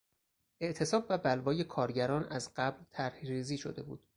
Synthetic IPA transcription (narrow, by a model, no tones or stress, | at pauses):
ʔe̞ʔt̪ʰe̞sɒːbːæbælvɒːje̞kʰɒːɾɟæɾɒːnæzɢæblt̪ʰæɾhɾiːziːʃo̞̰d̪e̞bṵːd̪̥